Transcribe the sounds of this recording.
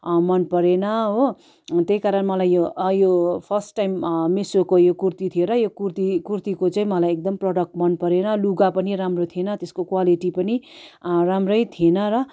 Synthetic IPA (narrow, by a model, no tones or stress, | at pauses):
mʌnpʌɾenʌɦo | t̪ejkaɾʌnmʌlajːojopʰʌrsʈːajmːesokojokurt̪it̪ʰieɾʌjokurt̪ikurt̪ikot͡saĩmʌlajek̚d̪ʌmprʌɽʌk̚ʈmʌnpʌɾenʌluɡapʌniɾamrot̪ʰienʌt̪eskokwaliʈipʌniramrʌjt̪ʰienʌɾʌ